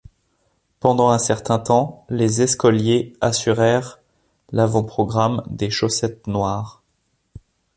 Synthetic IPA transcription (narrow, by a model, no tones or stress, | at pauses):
pɑ̃d̪ɑ̃ɛ̃sɛʁt̪ɛ̃t̪ɑ̃lezɛskɔljeasyʁɛʁ | lavɑ̃pχɔɡʁamd̪eʃosɛt̪nwaʁ